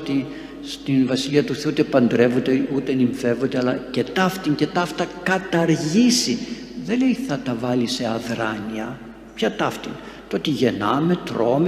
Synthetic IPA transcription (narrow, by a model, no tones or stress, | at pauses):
t̪i | st̪invɐsiliɐt̪uθeuut̪e̞pɐnd̪ɾe̞vod̪eut̪eniɱfe̞vo̞nd̪eɐlɐce̞t̪ɐft̪iŋce̞t̪ɐft̪ɐkɐt̪ɐɾʝisi | ðe̞le̞iθɐt̪ɐvɐlise̞ɐðɾɐniɐ | pçɐt̪ɐft̪in | t̪oot̪iʝe̞nɐme̞t̪ɾo̞me